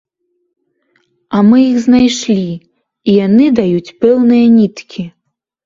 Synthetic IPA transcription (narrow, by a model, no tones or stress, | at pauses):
amɨjixznajʂlʲi | ijanɨd̪ajut͡sʲpɛwnɨjɐnʲit̪kʲʰi